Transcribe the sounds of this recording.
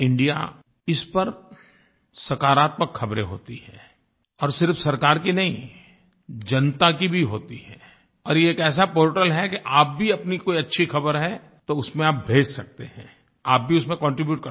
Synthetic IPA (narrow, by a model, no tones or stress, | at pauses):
ɪ̃ɳɖija̰ | ɪspɐɾ | sɐkaːɾaːt̪̚məkxɐbɾeɦo̰ːt̪iɦɛ̰̃ː | ɔːɾsɪɾfsɐɾkaːɾkinɐɦĩ | d͡ʒɐnt̪akibʱiɦoːt̪iɦɛ̃ː | ɔːɾjeːkɛːs̬apoːɾʈəlɦɛkeʔaːp̚bʱiɐpnikoːiɐtːʃʰixɐbəɾɦɛ | t̪oʊsmẽaːp̚bʱeːd͡ʒsɐk̚t̪ehɛ̰̃ | aːp̚bʱiʊsmẽkɔ̃ːɳʈɾibjuːʈ̚kɐ